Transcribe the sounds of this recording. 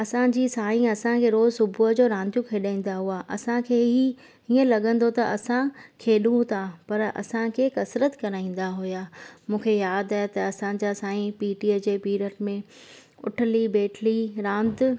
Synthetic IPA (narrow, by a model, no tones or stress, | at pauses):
ɐsãd͡ʑiːsaːĩɐsãkʰeːɾoːzsʊbʱuəd͡ʑoːɾãːnd̪jũkʰeːɗaːĩːn̆d̪aɦuaʔɐsãkʰeːɦi | ɦiːə̃lɐɠə̃nd̪ot̪ɐʔɐsãkʰeːɗũt̪ʰapɐɾɐ̰sãkʰeːkɐsɾət̪kɐɾaːĩːn̆d̪aɦʊjaːmũːkʰejaːd̪aɦet̪ɐɐsãd͡ʑasaːĩpiːʈied͡ʑeːpiːɾəʈmẽ | ʊ̰ʈʰɪlibeːʈʰliɾãːnd̪